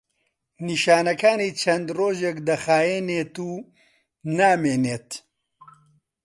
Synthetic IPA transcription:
niːʃaːnɐkaːniːt͡ʃʰɐnd̪roːʒekd̪ɐxaːjeːneːt̪uː | naːmeːneːt̪

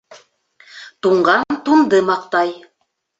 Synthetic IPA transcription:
t̪uɴɢɑnt̪und̪ɤmɑqt̪ɑj

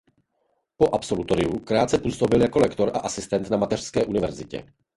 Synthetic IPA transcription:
po̞ʔapso̞lut̪o̞ɾɪukɾaːt̪t͡sɛpuːso̞bɪljako̞lɛkt̪o̞ɾʔa̰ʔasɪst̪ɛnt̪namat̪ɛr̥skɛːʔunɪvɛɾzɪcɛ̰

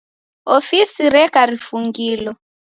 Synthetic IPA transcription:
ofisiɾɛkaɾifuŋɡiːlɔ

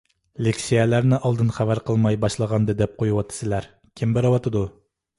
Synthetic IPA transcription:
lekʲsijɛlæɾnɪʔɑlˠd̪ɨnχævæɾqəlˠmɑjbɑʃlˠəʁɑnd̪ɨd̪ɛp̚qʰojuwɑt̪ʰːɨ̥sɨlæɾ | kʲʰimbeɾɨwɑt̪ʰɨd̪u

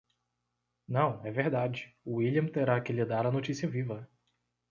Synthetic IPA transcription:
nɐ̃w̃ɛveɾd̪ad͡ʒɪʊiliɐ̃mt̪eɾakɪlɪd̪aɾɐnot͡ʃisiɐvivɐ

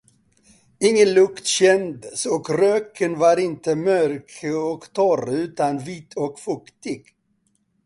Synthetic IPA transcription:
ɪŋːənlɵkt̪ɕɛnd̪sɔkɾøːkʰənvaɾɪnt̪əmœɾkʰɔkt̪ʰɔɾʉ̟ːt̪anviːt̪ʰɔkfʊkt̪ɪɡ

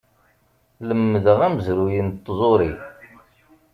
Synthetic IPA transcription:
ləmːəðəʁæməzɾujint̪ˤːzˤoɾi

